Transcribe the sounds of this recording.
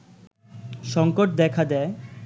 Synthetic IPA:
ʃɔŋkoʈ̚d̪ɛkʰad̪ɛe

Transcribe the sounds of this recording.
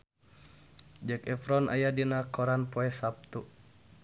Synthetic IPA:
d͡ʒəkɛfɾɔna̰jadinakɔɾanpɔɛsap̚t̪u

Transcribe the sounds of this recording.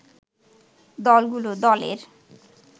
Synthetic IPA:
d̪ɔlɡulod̪ɔlḛɾ

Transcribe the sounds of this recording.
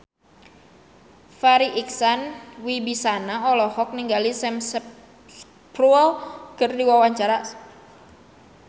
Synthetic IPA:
faɾiʔiksanwibisanaɔlɔhɔk̚niŋɡalisɛms | pruɛlkərdiwawaɲt͡ʃaɾa

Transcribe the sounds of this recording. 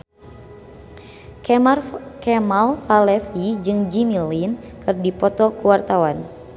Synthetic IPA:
rkɛmalfalɛfid͡ʒɨŋd͡ʒimilin | kɨrdipɔt̪ɔkuwart̪awan

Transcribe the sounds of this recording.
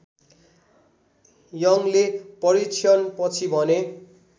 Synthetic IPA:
jʌŋlepʌɾit͡sʰijʌnpʌt͡sʰibʱʌne

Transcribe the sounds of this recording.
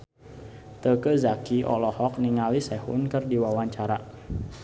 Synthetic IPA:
t̪əkəzakiʔɔ̰lɔhɔk̚niŋalisɛhṵnkɨrdiwawaɲt͡ʃaɾa

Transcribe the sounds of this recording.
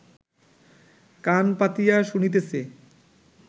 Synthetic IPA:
kanpat̪ijaʃunit̪̬ese

